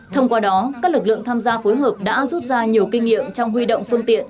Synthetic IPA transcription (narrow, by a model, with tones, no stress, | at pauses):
t̪ʰə˧wŋ͡mkwaː˧ɗɔ˨˦kaː˦˥k̚lɨ˨˩k̚lɨ̰˧˨əŋt̪ʰaː˧mzaː˧fo˨˦jɦəː˨˩p̚ɗa̰ː˧˥zu˦˥t̚zaː˧ɲi˨˩əwkï˧ŋ̟ŋḭ˧˨əmt͡ɕɔ˧wŋ͡mɦwi˧ɗo̰˧˨wŋ͡mfɨ˧əŋt̪ḭ˧˨ən